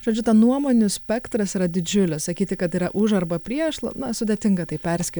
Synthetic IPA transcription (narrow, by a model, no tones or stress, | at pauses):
ʒ̥oːd͡ʒʲʊt̪ɐnuɔmoːnʲʊsʲpʲɛkt̪ɾɐsiːɾɐd̪ʲɪd͡ʒʲʊlʲɪssɐkʲiːt̪ʲɪkɐt̪iːɾɐʔʊʒɐɾbɐpʲɾʲiɛʃlˠɐ̰nɐsʊdʲeːt̪ʲɪŋɡɐt̪ɐɪpʲɛɾʲsʲkʲɪ